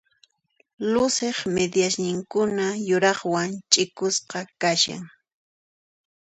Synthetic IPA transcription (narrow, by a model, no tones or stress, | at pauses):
lʊseχmed̪jasnɪŋkʊnajʊɾɑχwant͡ʃʼɪkʊsqɑkaʃa̰ŋ